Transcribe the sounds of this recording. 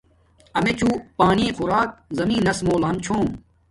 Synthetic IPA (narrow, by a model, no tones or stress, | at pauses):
ɐmet͡ɕʰuːpaːniːxʊɾaːk̚zɐmĩːnɐsmoːlaːnt͡ɕʰõː